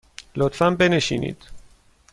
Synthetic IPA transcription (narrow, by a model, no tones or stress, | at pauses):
lot̪fæmbe̞neʃḭːnḭːd̪̥